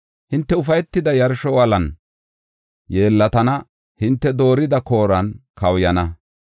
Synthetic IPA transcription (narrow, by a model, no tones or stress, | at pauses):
hɪnt̪ːɛʊfɐjɛt̪ːɪd̪ɐjɐɾʃɔwɐlɐn | jeːlːɐt̪ɐnɐ | hɪnt̪ːɛd̪o̞ːɾɪd̪ɐko̞ːɾɐnkɐwjɐnɐ